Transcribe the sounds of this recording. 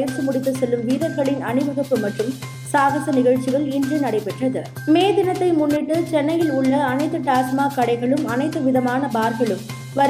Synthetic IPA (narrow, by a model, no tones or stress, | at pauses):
jɐɾsɯmʊɽɪt̪ːɯsɛlːɯmʋiːðɐɾɣɐɭɪnɐnɯʋɐɣɐpːɯmɐʈrɯm | saːɣɐsɐnɪɣɐɻt͡ʃɪɣɐɭɪndrɯnɐɽɐɪpɛʈrɐðɯ | meːðɪnɐt̪ːɐɪmʊnːɪʈːɯt͡ʃɛnːɐjɪlʊɭːɐːnɐɪt̪ːɯʈaːsmaːkɐɽɐɪɣɐɭɯmɐnɐɪt̪ːɯʋɪðɐmaːnɐbaːɾɣɐɭɯm | ʋɐɾ